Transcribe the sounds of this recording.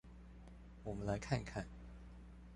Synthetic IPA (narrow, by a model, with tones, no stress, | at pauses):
wɔ˨˩mə˦nla˨˧˦ɪkʰa˥˧nkʰa˥˨n